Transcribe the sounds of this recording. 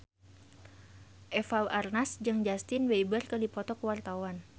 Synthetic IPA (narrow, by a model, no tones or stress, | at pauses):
ʔɛfawarnasd͡ʒɨŋd͡ʒast̪ɪnweibərkədipɔt̪ɔkəwart̪awan